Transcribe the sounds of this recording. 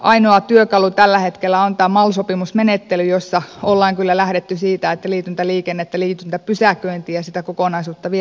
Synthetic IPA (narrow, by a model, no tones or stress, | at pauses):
ʔɑinoɑt̪yøkɑlut̪ælːæhet̪kelːæont̪æːmɑlsopimusmenet̪ːelyjosːɑolːɑːŋkylːælæhɾet̪ːysiːt̪æet̪ːæliːt̪ynt̪æliːkenːet̪ːæliːt̪ynt̪æpysækøint̪iːjɑsit̪ækokonɑisuːt̪ːɑʋi